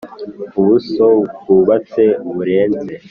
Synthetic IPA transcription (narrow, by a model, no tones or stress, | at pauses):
uβusoukuβat͡se̞βuɾe̞ːnze